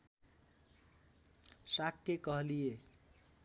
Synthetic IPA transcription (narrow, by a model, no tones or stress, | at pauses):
sakːekʌɦlije